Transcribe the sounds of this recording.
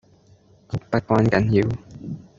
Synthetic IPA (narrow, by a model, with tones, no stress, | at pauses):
kʊ˨˩k̚pɐ˦˥t̚kʷaː˥nkɐ˨˥njiː˧w